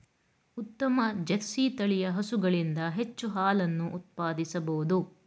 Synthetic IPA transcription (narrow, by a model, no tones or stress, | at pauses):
ut̪ːɐmɐd͡ʒetsiːt̪ɐɭijɐɦɐsuɡɐɭind̪ɐɦet͡ʃːuɦaːlɐnːuʔːt̪̚paːd̪isɐbɐud̪u